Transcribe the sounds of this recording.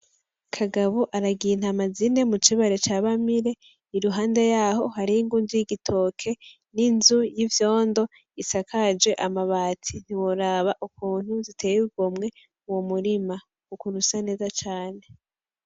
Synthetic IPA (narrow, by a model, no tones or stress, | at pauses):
kʰaɡaβoʔaɾaɡin̥hamazine̞mut͡ʃiβaɾe̞t͡ʃaːβamiɾe | iɾuɦaːnde̞jaɦo̞haɾiiŋɡunzujiɡitʰo̞ːkʰe̞ | ninzujivjo̞ːndo̞ | isakʰad͡ʒe̞ʔamaβaːtʰin̥iwoɾaːβaʔukuːn̥huzitʰejuɡomŋe̞ | uwomuɾima | ukuɾusane̞ːzat͡ʃaːne̞